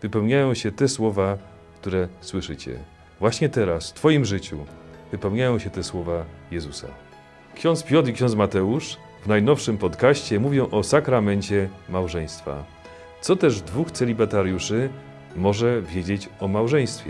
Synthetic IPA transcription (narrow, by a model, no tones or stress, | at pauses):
vɘpɛwɲajɔ̃w̃ɕɛt̪ɛswɔva | kt̪uɾɛswɘʂɘt͡ɕɛ̰ | vwaɕɲɛt̪ɛɾasft̪fɔjimʐɘt͡ɕṵvɘpɛwɲajɔ̃w̃ɕɛt̪ɛswɔvajɛzusa̰ | kɕɔnt̪spʲjɔt̪ikɕɔnsmat̪ɛuʂ | vnajnɔfʂɘmpɔt̪kaɕt͡ɕɛmuvʲjɔ̃w̃ʔɔsakɾamɛɲt͡ɕɛmawʐɛj̃st̪fa̰ | t̪sɔt̪ɛʐd̪vuxt̪sɛlʲibat̪aɾjuʂɘ | mɔʐɛvʲjed͡ʑet͡ɕɔmawʐɛj̃st̪fʲjɛ̰